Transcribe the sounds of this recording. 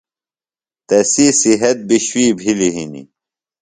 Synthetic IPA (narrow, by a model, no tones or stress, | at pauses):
t̪ɐsisiɦɐt̪̚biɕwiːbʱiliɦinḭ